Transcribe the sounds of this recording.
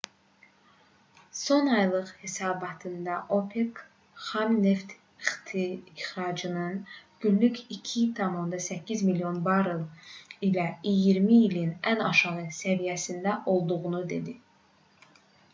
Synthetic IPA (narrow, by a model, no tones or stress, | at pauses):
so̞nɑjlˠɯʁhe̞sɑːbɑt̪ʰɯnd̪ɑʔo̞pʰeɡ | χɑmne̞ft̪ | iχt̪ʰiːχɾɑd͡ʒɯnɯnɟ̥ynlycicʰit̪ʰɑmond̪ɑsæcʰːizmilijo̞nbɑɾɯlˠilæijiɾmiːlinænɑʃɑʁɯsævijæsind̪æʔo̞lˠd̪uʁunud̪e̞̰d̪i